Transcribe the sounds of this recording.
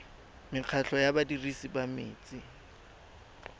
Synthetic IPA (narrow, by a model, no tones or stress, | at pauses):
mɪq͡χʰaɬɔjabadirisibamḛːt͡sʼɪ